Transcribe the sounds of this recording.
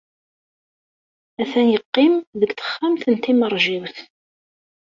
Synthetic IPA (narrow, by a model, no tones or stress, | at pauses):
æθænjəqːɪmðəɡθə̥χːamθənt̪imərˤʒiwθ